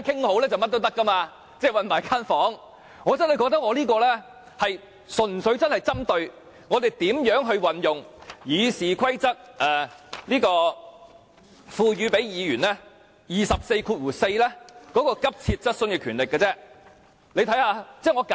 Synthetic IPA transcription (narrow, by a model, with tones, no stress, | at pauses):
kʰɪ˥ŋho˨˥wlɛː˥t͡sɐ˨wmɐ˥t̚t̪o˥wt̪ɐ˥kːɐ˥maː˧ | t͡sɛː˥˧˩wɐ˨nmaː˨˩jkʰaː˥nfɔː˨˥ŋ | ŋɔː˨˧t͡sɐ˥nhɐ˨jkɔː˧k̚t̪ɐ˥k̚ŋɔː˧liː˥kɔː˧lɛː˥ | hɐ˨j | sɵ˨˩nsɵ˨˥ɥt͡sɐ˥nhɐ˨jt͡sɐ˥mt̪ɵ˧ɥ | ŋɔː˨˧t̪e˨jt̪iː˨˥mjœː˨˥ŋɦɵ˧ɥwɐ˨njʊ˨ŋjiː˨˧siː˨˩kʰɐ˥jt͡sɐ˥k̚ʔɛː˨˩liː˥kɔː˧ | fuː˧jyː˨˧pe˨˥jjiː˨˧jyː˨˩nlɛː˥ | jiː˨˩sɐ˨p̚se˧jkʰuː˧t̚wuː˨˩se˧jlɛː˥kɔː˨˥kɔː˧kɐ˥p̚t͡sʰiː˧t̚t͡sɐ˥t̚sɵ˧nkɛː˧kʰyː˨˩nlɪ˨kːɐː˧t͡sɛː˥ | le˧jt̪ʰɐ˨˥jhaː˧t͡sɛː˥˩ŋɔː˨˧ka˨